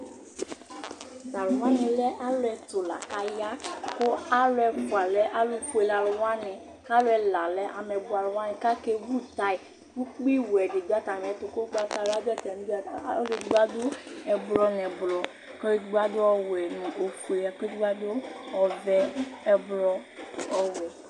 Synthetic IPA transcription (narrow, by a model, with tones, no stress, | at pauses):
za˨lʊ˨wa˦nɪ̃˨lɛ˦ʔa˦lʊ˦ɛ˧to˨la̰˨ka˨ja˦ko˦a˦lɛ˧ka˨lɛ˦ʔa˦lu˦ku˦e˧la˨lʊ˨wa˦nɪ̃˧ | ka˦lʊ˦ɛ˧la˨lɛ˦ʔa˧mɛ˧bu˨˦a˨lʊ˨wa˦nɪ̃˨ka˦ke˧wu˦ta˧i˨ | ɡu˦k͡pi˦wɛ˨di˨do˦a˦ta˨mɛ̃˨˦to˨ko˦ɡ͡ba˦ta˧˨la˦bɛ˦tɛ˨n˦ble˧dɡ͡ba˦do˦ɛ˨blɔ˦n˨ɛ˨blɔ˨ | ke˦e˦dɡ͡ba˦do˦ɔ˧wɛ˨nũ˨o˨ku˨e˨a˨ke˦dɡ͡ba˦do˦ɔ˨vɛ˦ɛ˧blɔ˧ɔ˧wɛ˨